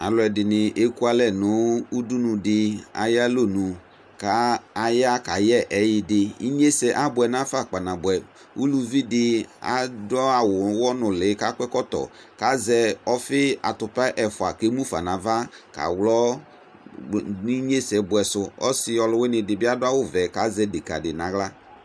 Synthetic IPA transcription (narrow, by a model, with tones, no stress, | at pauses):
a˨lʊ˨ɛ˨dɪ˨nɪ˨ʔe˦ku˦a˦lɛ˨nʊ˨˦u˦du˦nũ˨dɪ˨a̰˨ja˦lo˦˨nũ˨ | ka˦a˨ja˦ka˨jɛ˦ʔɛ˨˦jɪ˦dɪ˨i˦ɲe˦sɛ˨ʔa˦bʊ˨ɛ˨nã˦fa˦˨k͡pa˨nã˨bʊ˨ɛ˨ | u˦lu˦vi˦dɪ˦a̰˨dɔ˦a˨wʊ˨˦wɔ˦nʊ˨lɪ˨˦ka˨˦kʷɛ˦kɔ˦tɔ̰˨ | ka˦zɛ˨ɔ˦fɪ˦a˨tʊ˨pa˦ʔɛ˨fʊ˨a˨ke˦mũ˦fa̰˨nã˨va˦ka̰˨wlɔ˦ | ni˦ɲe˦sɛ˨˦bʊ˨ɛ˨sʊ˨ɔ̰˦sɪ˨ɔ˨lʊ˨˦wɪ˦nɪ˨dɪ˨bɪ˦a˦dʊ˦a˦wʊ˦vɛ˨ka˨˦zɛ˦de˨ka̰˨dɪ˨nã˨ɣla˦